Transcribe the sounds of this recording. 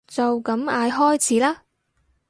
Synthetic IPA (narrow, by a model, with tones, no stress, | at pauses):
t͡sɐ˨wkɐ˨˥maː˨˧jɦɔː˥jt͡sʰiː˨˥laː˥